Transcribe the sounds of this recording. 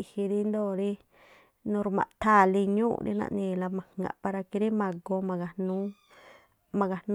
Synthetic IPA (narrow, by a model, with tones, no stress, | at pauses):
i˧hi˧ɾi˦nd̪o˦˨ɾi˦ | nũ˧ɾu˧mã̰˨ʔt̪a˦˨li˧ɲṵ̃˦˧ɾḭ˧nã̰˧ʔnĩ˧˨˧la˧mã˨hŋɡã̰˨˧ʔpa˧ɾa˧ki˧ɾi˦mã˧ɡo˧mã˧ɡa˧nũ˦ | mã˧ɡa˨n